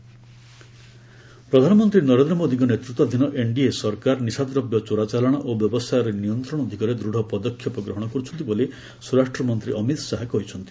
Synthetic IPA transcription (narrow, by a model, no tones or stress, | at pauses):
pɾɔd̪ʱanɔmɔnt̪ɾinɔɾend̪ɾɔmod̪iŋɡɔnet̪ɾut̪wad̪ʱinɔʔeɳɖiesɔɾkaɾnisad̪ɾɔbjɔt͡ʃoɾat͡ʃalɔɽ̃ɔʔobjɔbɔst̪ajɔɾenijɔnt̪ɾɔɽ̃ɔd̪ʱikaɾed̪ɾuɽʱɔpɔd̪ɔkʰːjɔpɔɡɾɔɦɔɽ̃ɔkɔɾut͡ʃʰɔnt̪ibole | suɾaʂʈɾɔmɔnt̪ɾiʔɔmit̪saɦakɔɦit͡ʃʰɔnt̪i̥